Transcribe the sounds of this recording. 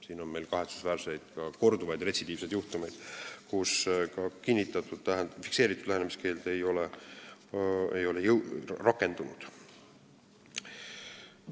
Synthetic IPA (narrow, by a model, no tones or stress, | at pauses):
siːno̞nme̞jlkɑɦet̪su̥svæːrse̞jd̪̥kɑko̞rd̪uvɑjd̪̥re̞t̪ʲsid̪iːvse̞d̪juht̪ume̞jd̪̥kuskɑkinʲːit̪ːˑɑt̪ːˑud̪̥læɦnfi̥kse̞ːɾit̪ːˑud̪̥læhenemiske̞ːld̪e̞jo̞le | e̞̰jo̞le̞jɯwrɑkːˑe̞nd̪unud̪̥